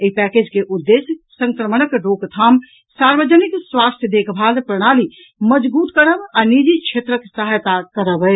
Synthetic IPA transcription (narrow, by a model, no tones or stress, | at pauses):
eipɛːked͡ʒkeʔʊd̪ːes | sə̃ŋkɾəmənəkɖoːkt̪ʰaːm | saːɾbəd͡ʒənikswaːst̪ʰjəd̪eːkʰbʱaːd̪pɾəɽ̃aːli | məd͡ʒbuːt̪kəɾəbanid͡ʒikt͡ʃʰeːt̪ɾəksəɦajt̪akəɾəbəe